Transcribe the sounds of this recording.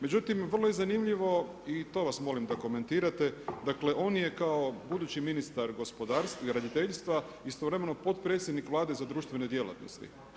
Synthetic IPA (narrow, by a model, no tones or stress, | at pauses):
me̞d͡ʒut̪imʋər̩lo̞jezanimʎiʋo̞ | it̪o̞ʋasmo̞limd̪ako̞me̞nt̪iːɾat̪e̞d̪akle̞ʔo̞ːnje̞kao̞bud̪ut͡ɕiminist̪aɾɡo̞spo̞d̪aːɾsɾad̪it̪e̞ʎst̪ʋa | ist̪o̞ʋɾe̞me̞no̞po̞t̪pɾet̪sʲjed̪nikʋlˠaːd̪e̞zad̪ɾuːʃt̪ʋe̞ne̞d̪je̞la̰t̪no̞̰st̪ḭ